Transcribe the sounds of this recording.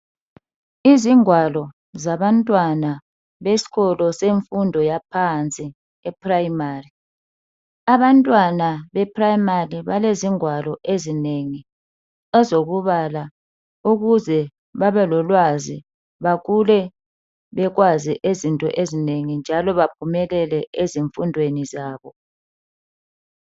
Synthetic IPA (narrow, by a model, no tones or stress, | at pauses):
iziŋwalɔ | zaβantʼwana | βesi̥ɣɔlɔseɱfundʱɔjapʰant͡sʼi | ɛprajimari | aβantʼwanaβɛpʰʼrajimariβaleziŋwalɔʔezineŋi | ɛzoɣuβala | uɣuzɛ | βaβɛlɔlwazi | βaɣulɛ | βɛɣwaziʔezintʼɔ̰ʔezineŋind͡ʒʱalɔβapʰumɛlɛlɛeziɱfundʱwenizaːβɔ